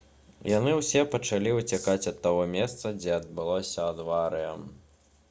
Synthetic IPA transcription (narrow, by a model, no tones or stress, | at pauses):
janɨwsʲɛpɐt͡ʂalʲiut͡sʲakat͡sʲɐt̪ːaɣɔmʲɛst̪sɐd͡zʲɛɐd̪̚bɨlˠɔsʲɐɐd̪vaɾɨjɐm